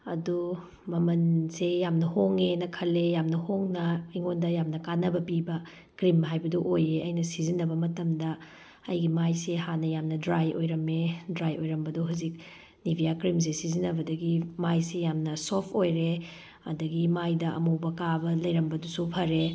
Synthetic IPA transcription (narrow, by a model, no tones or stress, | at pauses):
ɐ̰du | mɐmɐnsejamnɐhoŋenɐkʰɐlejamnɐhoŋnɐiŋondɐjamnɐkanːɐbɐpibɐ | kɾimɦajbɐduʔojeɐjnɐsizinːɐbɐmɐtɐmdɐː | jɡimajsehanɐjamnɐdɾajojɾɐmedɾajojɾɐmbɐduɦazik̚ | nibʱijakɾims̬esizinːɐbɐdɐɡimajsejamnɐsopʰojɾe | ɐ̰dɐɡimajdɐʔɐ̰mowbɐkabɐlɐjɾɐmbɐdusupʰɐɾe